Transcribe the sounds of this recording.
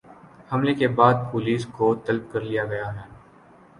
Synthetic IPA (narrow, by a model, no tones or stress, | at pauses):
hɐmlekebaːd̪̚poːliːskot̪ɐlb̚kɐɾlijaɡɐjaɦɦɛː